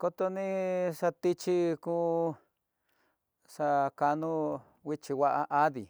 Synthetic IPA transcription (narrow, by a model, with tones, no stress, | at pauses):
ko˧t̪o˧nĩ˦ʂa˧t̪i˦t͡ʃi˦kuː˦ | ʂa˧ka˧nũ˦ | wʷi˦t͡ʃi˧wʷa˦ʔa˧ʔa˦ðḭ˨